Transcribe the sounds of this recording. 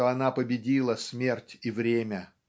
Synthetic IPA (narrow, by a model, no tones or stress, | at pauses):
oɐn̪apəbʲɪdʲilˠəsʲmʲe̞rtʲivɾʲemʲə